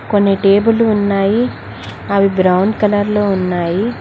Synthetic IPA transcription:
konːiʈeːbuluːnːaːji | ɐʋibɾɐwɳɖkɐlɐɾloːunːaːji

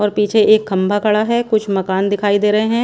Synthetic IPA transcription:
ɔːɾpiːt͡ʃʰeʔeːkʰːɐ̃mbʱakɐɽaɦɛkʊt͡ʃʰmɐkaːnd̪ɪkʰaːid̪eːɾɐɦeɦɛ̃ː

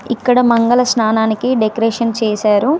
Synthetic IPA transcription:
ikːɐɽɐmɐŋɡɐlɐsnaːnaːnikiɖekɾeːʂɐnt͡ʃeːsaːɾu

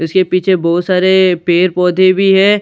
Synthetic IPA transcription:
ɪskepiːt͡ʃʰebɔːt̪saːɾepeːɾpɔːd̪ʱẽbʱiɦɛ̃ː

